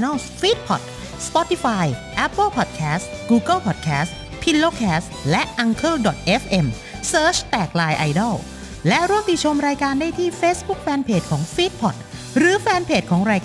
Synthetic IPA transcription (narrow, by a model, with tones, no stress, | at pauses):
na˥˩ | fiː˦˥t̪̚pʰɔ˨˩t̪̚ | spɔ˦˥t̪i˧faː˧jʔɛ˦˥pːɤ˥˩lpʰɔ˨˩t̪̚kʰɛː˦˥stɡuː˧ɡɤ˥˩lpʰɔ˨˩t̪̚kʰɛː˦˥st | pʰi˧lloː˥˩kʰɛː˦˥s | lɛ˦˥ʔʔa˧ŋkʰɤ˥˩ldɔ˨˩t̪̚ʔe˦˥fʔe˧m | sɤː˦˥t͡ɕʰt̪ɛː˨˩k̚laː˧jʔa˧jdɔ˥˩w | lɛ˦˥ɾuː˥˩əmt̪i˨˩t̪̚t͡ɕʰo˧mɾaː˧jkaː˧ndaː˥˩jt̪ʰiː˥˩feː˦˥sbu˦˥k̚fɛː˧npʰeː˨˩t̪̚kʰɔː˩˦ŋfiː˦˥t̪̚pʰɔ˨˩t̪̚ | ɾɯː˨˩˦fɛː˧npʰeː˨˩t̪̚kʰɔː˩˦ŋɾaː˧jk